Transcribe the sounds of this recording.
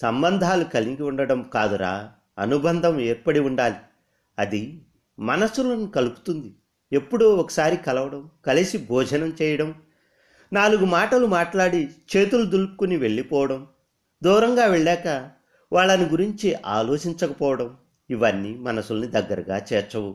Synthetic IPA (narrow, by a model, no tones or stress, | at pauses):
sɐmbɐnd̪ʱaːlukɐliŋɡiuɳɖɐɽɐmkaːd̪uɾa̰ː | ɐnubɐnd̪ʱɐmeːɾpɐɽiuɳɖaːli | ɐd̪i | mɐnɐsulɐnukɐlupu̥t̪und̪i | e̞pːuɽuɔkɐ̥saːɾikɐlɐʋɐɽɐmkɐlisibʱɔːd͡ʒʱɐnɐmt͡ʃɛːjɐɽɐm | naːluɡumaːʈɐlumaːʈlaːɽit͡ʃe̞ːt̪ulud̪ulupukuniʋe̞ɭːipɔːʋɐɽɐm | d̪uːɾɐŋɡaːʋeɭːɛːkɐ | ʋaːɭːɐniɡuɾiɲt͡ʃiʔa̰ːlɔːt͡ʃiɲt͡ʃɐkɐpɔːʋɐɽɐm | iʋɐnːimɐnɐsulɐnid̪ɐɡːɐɾɐɡa̰ːt͡ʃɛːɾt͡ʃɐwu